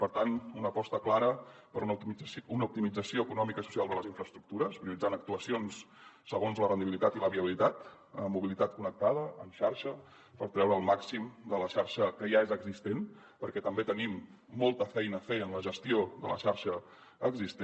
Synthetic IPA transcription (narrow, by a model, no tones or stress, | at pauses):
pəɾt̪anunəpɔst̪əklaɾəpəɾununəup̚t̪imid͡zəsioəkunɔmikəisu̥sialˠd̪ələzĩɱfɾəst̪ɾuk̚t̪uɾəspɾiulid͡zanək̚t̪uəsionsː | əɣ̞onzlərənd̪iβilit̪at̪iləβiəβilit̪at̪ | əmːuβ̞ilit̪at̪̚kunək̚t̪aðəːmʃaɾʃə | pəɾt̪ɾɛwɾəːlˠmaksimd̪ələʃaɾʃəkəjaezəɡzist̪en | pəɾkɛt̪əmbet̪ənimː | ɔlˠt̪əfɛjnəfejənləʒəst̪ioðələ̰ʃaɾʃə | əɡzist̪